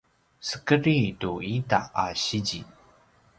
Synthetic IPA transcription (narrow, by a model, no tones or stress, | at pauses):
sə̥kəɾituita̰aɕid͡ʑi